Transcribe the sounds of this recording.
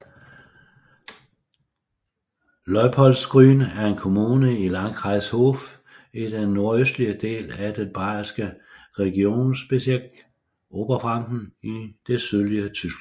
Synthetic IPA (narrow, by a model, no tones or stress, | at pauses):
lɒɪpʰɒ̽lsɡ̥ʁyːnæɐe̝nkʰo̝muːnəilɑ̈ŋkʰʁɑ̈ɪshof | id̥enːo̝ɐøsd̥liəd̥e̝̰ːlæd̥enb̥ɑ̈ːsɡ̥ə | ʁɛɡ̥io̝̰ːnsb̥e̝sielɡ̥ | ʔo̝ːb̥ɐfʁɑ̈ŋɡ̥n̩id̥e̝søðˠliət͡sʰysɡ̥